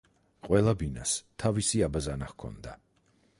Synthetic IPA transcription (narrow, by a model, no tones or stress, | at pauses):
qʼwɛlˠabina̰st̪ʰavisiabazanahkʰɔ̰nd̪a